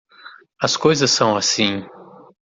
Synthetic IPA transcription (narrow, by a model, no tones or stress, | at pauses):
ɐskojzɐsːɐ̃w̃asĩ